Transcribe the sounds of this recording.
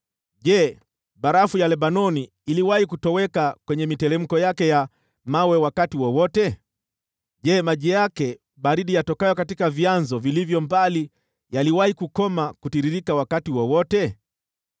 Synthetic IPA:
ʄɛ | ɓaɾafujalɛɓanɔniː | liwahikutɔwɛkakwɛɲɛmitɛɾɛm̩kɔjakɛja | mawɛwakatiwɔwɔtɛ | ʄɛmaʄɛjakɛ | ɓaɾiɗijatɔkajɔkatikavjanzɔvilivjɔmbali | jaliwahikukɔmakutiɾiɾikawakatiwɔwɔtɛ

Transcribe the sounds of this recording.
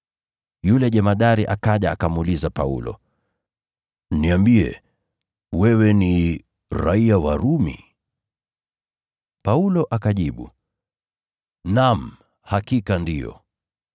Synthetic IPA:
julɛʄɛmaɗaɾiʔakaʄaːkamulizapaṵlɔ̰ | niambiɛ̰ | wɛwɛni | ɾa̰iawaɾumḭ | paulɔʔakaʄiɓṵ | nam̩ | hakikandijɔ̰

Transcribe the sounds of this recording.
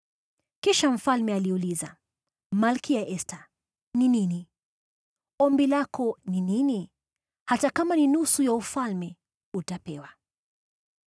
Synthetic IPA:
kiʃam̩falmɛaliuliza | malkijaʔɛsta | ninini | ɔmbilakɔninini | hatakamaninusujaufalmɛ | utapɛwa

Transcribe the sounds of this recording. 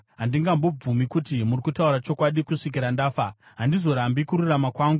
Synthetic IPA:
ɦandiŋɡambo̞b͡vumikutimurikutauɾat͡ʃo̞kwaɗikuʂik̬iɾandaːfa | ɦandizo̞ɾambikuɾuramakwaːŋɡu

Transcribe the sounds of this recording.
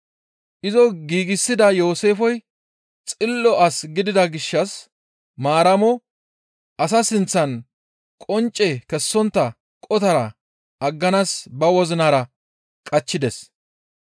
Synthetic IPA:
ʔɪzɔɡiːɡɪsːɪd̪ɐjo̞ːse̞ːfɔj | t͡sʼɪlːɔʔɐsɡɪd̪ɪd̪ɐɡɪʃːɐs | maːɾɐmɔ | ʔɐs̬ɐsɪnt͡sːɐn | kʼɔnt͡ʃʼːɛkɛsːɔnt̪ːɐ | kʼɔt̪ɐɾɐ | ʔɐɡːɐnaːsbɐwɔzɪnaːɾɐ | kʼɐt͡ʃːɪd̪ɛs

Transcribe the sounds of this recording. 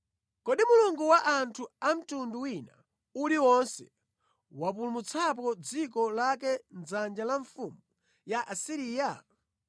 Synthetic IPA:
kɔɗimuluŋɡuwaʔantʰuam̩tunduwina | uliwɔnsɛ̰ | wapulumut͡sʰap̬ɔd͡zikɔlak̬ɛnd͡zand͡ʒalaɱfumu | jaʔasiɾiːja

